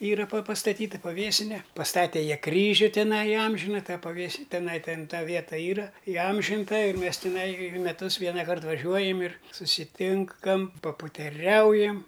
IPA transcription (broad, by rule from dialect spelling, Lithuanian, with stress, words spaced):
ˈiːrɐ pɐ pɐstɐˈtʲiːtɐ pɐˈʋʲeːsʲɪnʲɛ pɐsˈtɑːtʲɛ ˈjiɛ ˈkrʲiːʒʲʊ tʲɪˈnɐɪ ɪˈɐmʲʒʲɪnɐ ˈtɑː pɐˈʋʲeːs tʲɪˈnɐɪ ˈtʲɛn ˈtɐ ˈʋʲiɛtɐ ˈiːrɐ ɪˈɐmʲʒʲɪntɐ ɪr mʲɛs tʲɪˈnɐɪ ɪr mʲɛˈtʊs ˈʋʲiɛnɐkɐrt ʋɐˈʒʲuɔjɛm ɪr sʊsʲɪˈtʲɪŋkɐm pɐpʊtʲɛˈrʲɛʊjɛm